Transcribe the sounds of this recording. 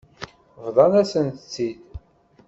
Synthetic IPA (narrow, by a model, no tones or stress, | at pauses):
vðˤɑnæsənt̪ə̥t͡sːid̪